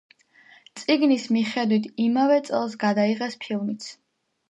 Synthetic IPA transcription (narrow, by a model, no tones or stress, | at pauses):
t̪sʼiɡnismiχɛd̪wit̪ʰimavɛt̪sʼɛlˠsɡad̪aiʁɛspʰilˠmit̪sʰ